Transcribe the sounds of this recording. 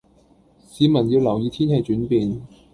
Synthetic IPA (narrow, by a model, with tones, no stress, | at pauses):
siː˨˧mɐ˨˩njiː˧wlɐ˨˩wjiː˨˧t̪ʰiː˥nhe˨˧jt͡ʃyː˨˥npiː˨n